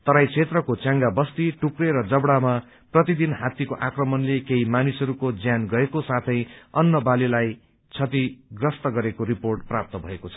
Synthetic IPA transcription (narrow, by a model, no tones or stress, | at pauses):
t̪ʌɾajt͡sʰet̪rʌkot͡sjãŋɡabʌst̪iʈukreɾʌd͡zʌbɽama | prʌt̪id̪inɦat̪ikoʔakrʌmʌnlekeɦimanisʌɾukod͡zjanɡʌekosat̪ʰʌ̃j̃ʌnːʌbalilaj | t͡sʰʌt̪iɡrʌst̪ʌɡʌɾekoɾiporʈprap̚t̪ʌbʱʌekot͡sʰʌ̥